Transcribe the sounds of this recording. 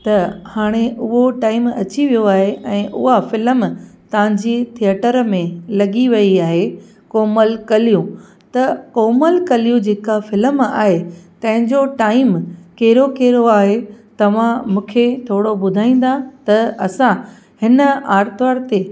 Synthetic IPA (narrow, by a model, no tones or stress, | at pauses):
t̪ɐhaːɽ̃eʔʊɦoʈaːɪmɐt͡ɕiʋijoaːɦeʔɛ̃ːʔʊ̰ɦafɪləmt̪ɐʋ̤ãɲd͡ʑit̪ʰiəʈəɾmẽlɐɡiʋɐiaːɦe | koːməlkɐlijũ | t̪ɐkoːməlkɐlijũd͡ʑeːkafɪləma̰ːɦet̪ɐ̃ɦɪ̃ɲd͡ʑoʈaːɪmkeːɾokeːɾoaːɦet̪ɐʋ̤ãmũːkʰet̪ʰoːɽobʊd̪ʱaːĩːn̆d̪at̪ɐɐsã | hɪnəaːɾt̪ʋaːɾt̪e